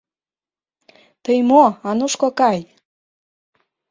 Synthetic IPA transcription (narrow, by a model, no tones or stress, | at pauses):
t̪əjmoɑnuʃkokɑj